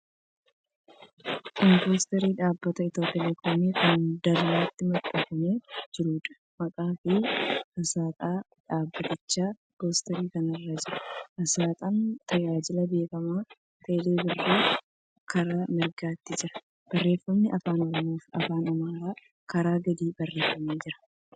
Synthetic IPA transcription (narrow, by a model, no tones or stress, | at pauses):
kɔmpo̞ːst̪ɛɾiːᶑaːbːɐt̪ɐɪt̪o̞ːt̪ɛlɛkoːmiːkɐnd̪ɐlːaːt̪ːɪmɐt̪ʼːɐfɐmed͡ʒɪɾuːᶑɐ̥ | mɐkʼaːfɪhɐsaːt̪ʼaː | ᶑaːbːɐt̪ɪt͡ʃːaː | boːst̪ɛɾiːkɐnɐrːɐd͡ʒɪɾɐʔɐsaːt̪ʼant̪ɐd͡ʒaːd͡ʒɪlɐbe̞ːkʼɐmaː | t̪ɐːle̞ːbɪrːeː | kɐɾaːmɪɾɡaːt̪ːɪd͡ʒɪɾɐ̥ | b̥ɐrːeːfːɐmnɪʔɐfaːnɔɾɔmoːfɐ̰faːnɐmaːɾaː | kɐɾaːɡɐd̪iːbɐrːe̞ːfːɐmeːd͡ʒɪɾɐ̥